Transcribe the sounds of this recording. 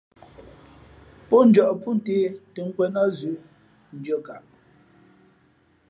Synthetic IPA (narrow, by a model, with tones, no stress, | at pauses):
pɔ˦n̩˨˦d͡ʒɔ˨ʔpu˦n˦te˦te˨ŋ̩˦kwɛ˦nɔ˦zʉ˨˦ | n̩˨˦d͡ʒo˦ka˨ʔ